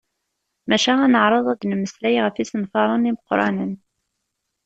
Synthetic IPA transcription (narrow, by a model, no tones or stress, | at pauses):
mæʃæænəʕɾˤɑðˤæd̪nməslæjʁəfisənfɑɾˤɑniməqɾˤɑ̰nən